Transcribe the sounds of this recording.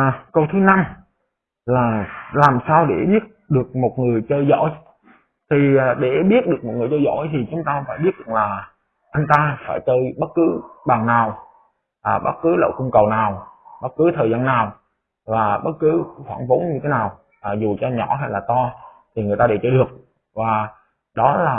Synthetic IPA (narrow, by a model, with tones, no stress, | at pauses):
kə˧wt̪ʰɨ˨˦na˧m | laː˨˩laː˨˩msaː˧wɗe˧˩ɓi˦˥ət̚ɗɨ˨˩ək̚mo˨˩t̚ŋɨ˨˩əjt͡ɕəː˧jzo̰˧˥˨j | t̪ʰi˨˩˨ɗe˧˩ɓi˦˥ət̚ɗɨ˨˩ək̚mo˨˩ŋɨ˨˩jt͡ɕəː˧jzo̰˧˥˨jt̪ʰi˨˩t͡ɕʊ˨˦ŋ͡mt̪aː˧faː˧˩jɓi˦˥ət̚zɨ̰˧˩ŋlaː˨˩ | ʔa˧jŋ̟t̪aː˧faː˧˩jt͡ɕəː˧jɓə˦˥t̚kɨ˨˦ɓaː˨˩ŋnaː˨˩w | ʔaː˨˩ɓə˦˥t̚kɨ˨˦lə̰˧˨wku˧ŋ͡mkə˨˩wnaː˨˩wɓə˦˥t̚kɨ˨˦t̪ʰəː˨˩jzaː˧nːaː˨˩w | vaː˨˩ɓə˦˥t̚kɨ˨˦xwaː˧˩ŋvo˨˦nɲɨ˧t̪ʰe˨˦naː˨˩w | ʔːzu˨˩t͡ɕɔ˧ɲɔ˧˩ɦa˧jlaː˨˩t̪ɔ˧t̪ʰi˨˩ŋɨ˨˩əjt̪aː˧ɗe˧˩t͡ɕəː˧jɗɨ˨˩ək̚ | vaː˨˩ | ɗɔ˨˦laː˨˩